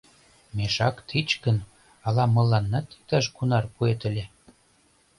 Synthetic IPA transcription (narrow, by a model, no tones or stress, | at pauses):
meʃɑkt̪ʰit͡ɕkə̆n | ɑlɑmɤ̆lːɑnːɑt̪i̥k̚t̪ɑʃkunɑrpuet̪ə̆lʲe